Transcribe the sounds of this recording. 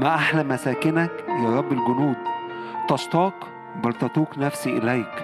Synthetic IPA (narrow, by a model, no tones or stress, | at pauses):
mæʔaħlæmːæsæːkɪnækjɑːɾˤɑbːelɡʊnuːd̪t̪ɑʃt̪ˤɑːq | bɑɾt̪ɑt̪ˤuːknæfsiʔelæjk